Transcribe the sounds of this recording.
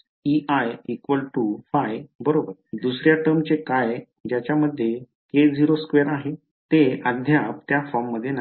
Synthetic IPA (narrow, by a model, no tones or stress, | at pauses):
iʔajikʋəlʈufajbəɾobəɾd̪usɾjaʈəɾmt͡ɕekaj | d͡ʑjat͡ɕjaməd̪ʱːje | ked͡ziɾoskʋeɾaɦe | t̪eəd̪ʱjap̚t̪jafɔɾmːəd̪ʱːjena